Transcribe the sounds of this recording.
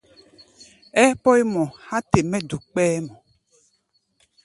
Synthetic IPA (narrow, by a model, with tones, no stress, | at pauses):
ɛ˦pɔ˦e˦mɔ̃˨ha˦te˨mɛ˦du˨k͡pɛː˦mɔ̃˨